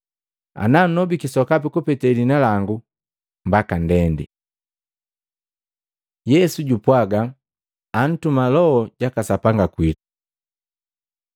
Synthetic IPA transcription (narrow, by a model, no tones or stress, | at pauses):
a̰nan̩nɔbikisɔkap̬ikupɛtɛlinalaŋɡu | mbakandɛndḭ | jɛsuɟupwaɡaː | n̩tumalɔhɔɟ̥akasapaŋɡakwitu̥